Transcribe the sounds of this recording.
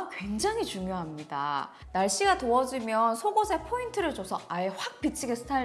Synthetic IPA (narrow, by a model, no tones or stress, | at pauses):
kwe̞ŋd͡ʑaŋɦit͡ɕuŋjoɦamɲida̰ | naɭɕ͈iɡatoʌd͡ʑimjʌnsʰoɡosʰe̞pʰointʰɯɾɯɭt͡ɕosʰʌaeɸwak̚p͈it͡ɕʰiɡesʰɯ̥tʰa